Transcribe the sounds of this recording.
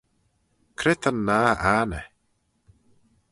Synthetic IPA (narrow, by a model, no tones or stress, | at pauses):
kʰɾɪt̪ʰənːaːanə